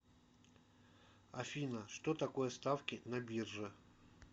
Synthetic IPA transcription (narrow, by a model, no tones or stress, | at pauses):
ɐfʲinəʂt̪ot̪ɐko̞jəst̪afkʲɪnɐbʲirʐɨ